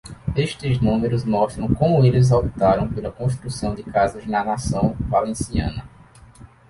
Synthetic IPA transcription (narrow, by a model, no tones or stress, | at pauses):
eʃt̪ɪznũmeɾʊzmɔʃt̪ɾɐ̃w̃kõmʊelɪzawpit̪aɾɐ̃w̃pelɐkõʃtt̪ɾusɐ̃w̃d̪ɪkazɐznɐnasɐ̃w̃valẽsiɐ̰̃nɐ